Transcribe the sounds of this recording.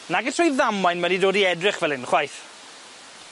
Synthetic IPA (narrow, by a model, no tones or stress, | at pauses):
naɡɛtʰrɔjðamajnmɛdidoːdiɛdrɪχvɛlˠɪnχwajθ